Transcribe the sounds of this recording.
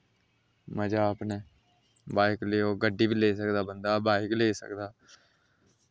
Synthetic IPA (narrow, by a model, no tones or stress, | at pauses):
məd͡ʒaːəpneː | baːɪkleːoːɡəɖːiːbiːleːsəkd̪aːbənd̪aːbaːɪkleːsə̰kd̪aː